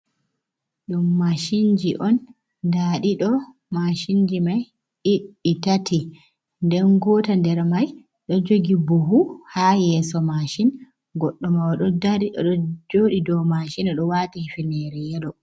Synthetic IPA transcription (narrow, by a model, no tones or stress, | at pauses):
ɗumːaʃind͡ʒiʔɔn | daɗiɗɔ | maʃind͡ʒimaj | iɗːitati | ndɛnɡɔːtandɛɾmaj | ɗɔd͡ʒoɡiboɦuhajɛsɔmaʃin | ɡɔɗːɔmawaɗɔdaiɔɗɔd͡ʒoːɗidɔmaʃinaɗɔwatihifinɛɾɛjɛɗɔ